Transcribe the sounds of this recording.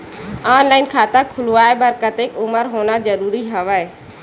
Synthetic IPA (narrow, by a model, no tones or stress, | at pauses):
aːnlaːɪnkʰaːt̪akʰʊluaːebəɾkət̪eːkʊməɾɦoːnazəɾuːɾiɦəʋaːeː